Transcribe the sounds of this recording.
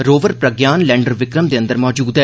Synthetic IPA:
ɾoːʋəɾpɾəɡjaːnlɛ̃ːɳɖəɾʋɪkɾəmd̪eːə̃nd̪əɾmɔːd͡ʒuːd̪ɦɛ

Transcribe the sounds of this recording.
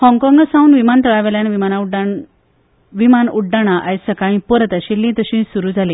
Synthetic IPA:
hɔ̃ŋkɔŋɡəsaũnʋimant̪əɭaʋeljanʋimanauɖa | ʋimanuɖaɽ̃aʔajsəkãĩpəɾət̪aɕilːĩt̪əɕĩsuɾuːd͡zʱale

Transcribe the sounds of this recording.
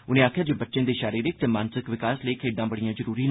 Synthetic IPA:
ʊnẽːaːkʰjaːd͡ʒoːbətːʃẽːd̪eːʃaːɾiːɾɪk̚t̪eːmãːnsɪkʋɪkaːsləiːkʰeːɖãːbəɽijãːzəɾuːɾiːn

